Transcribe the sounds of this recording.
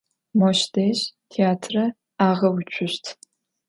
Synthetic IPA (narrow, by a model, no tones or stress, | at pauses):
mɔʃdeːʑtʰeaːtʰrɐ | aːʁɐwʊt͡ʃʷʰʊɕtʰ